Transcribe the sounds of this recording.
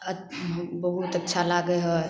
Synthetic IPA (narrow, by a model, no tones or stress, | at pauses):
əbəɦut̪ətːʃʰalaɡəɦɔ